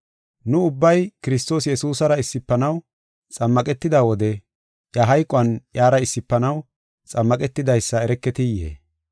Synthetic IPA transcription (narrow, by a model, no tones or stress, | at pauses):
nʊʊbːɐjkɪɾɪst̪o̞ːsjɛsuːsɐɾɐɪsːɪpːɐnɐw | t͡sʼɐmːɐkʼɛt̪ːɪd̪awɔd̪ɛ | jɐɦɐjkʼʊɐnjaːɾɐɪsːɪpːɐnɐw | t͡sʼɐmːɐkʼɛt̪ːɪd̪ɐjsːɐɛɾɛkːɛt̪ɪjːḛː